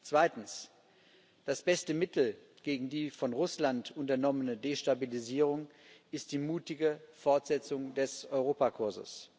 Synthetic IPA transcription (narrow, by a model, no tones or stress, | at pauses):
t͡sv̥aɪtn̩s | d̥asb̥ɛstəmɪtl̩ | ɡ̥eːɡŋ̩diːfɔnʁʊslantʊntɐnɔmənədeʃtabiliziːʁ̞ʊŋɪst̚d̥iːmuːtɪɡəfɔɐtz̥ɛt͡sʊŋdɛsɔʏʁ̞oːpakʰʊɐzə̰s